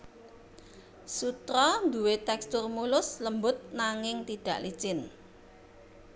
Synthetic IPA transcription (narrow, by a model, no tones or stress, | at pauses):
sut̪ɾɔnd̪uwet̪ɛkst̪ʊrmulʊsləmbʊt̪̚naŋɪŋt̪iɖ̥ä̤̰ʔli̥t͡ʃɪn